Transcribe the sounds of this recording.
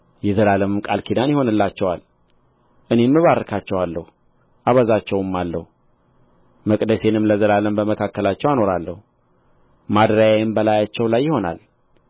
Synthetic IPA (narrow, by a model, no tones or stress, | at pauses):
jɛzəlaləmɨmkʼalkʰid̪anjɪho̞nɨlːat͡ʃːɛwal | ʔɨne̞mːɨβarːəkʰat͡ʃːɛwalːəhu | ʔaβəzat͡ʃːɛwɨmːalːəhu | məkʼd̪əse̞nɨmləzəlaləmbəməkʰakːəlat͡ʃːɛwano̞ɾalːəhu | mad̪ɾajajɪmbəlajat͡ʃːɛwlajːɪho̞na̰l